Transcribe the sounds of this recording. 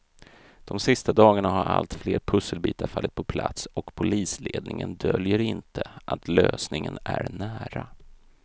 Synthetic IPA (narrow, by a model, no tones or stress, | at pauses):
d̪̥ɔmsɪst̪ad̪ɑːɡaɳaɦaɾʔa̰lt̪fleːɾpʰɵsəlbiːt̪aɾfalːɪt̪̚pʰɔpʰlat̪sɔkpʰʊliːsleːd̪nɪŋənd̪œljəɾɪnt̪ʰəʔat̪løːsnɪŋənæɾnæːɾa